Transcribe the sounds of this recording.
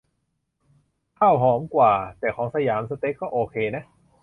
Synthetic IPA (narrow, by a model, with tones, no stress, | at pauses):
kʰa˥˩wɦɔː˩˦mkwaː˨˩t̪ɛː˨˩kʰɔː˩˦ŋsa˧jaː˩˦msa˧t̪e˦˥kːɔː˥˩ʔoː˧kʰeː˧na˦˥ʔ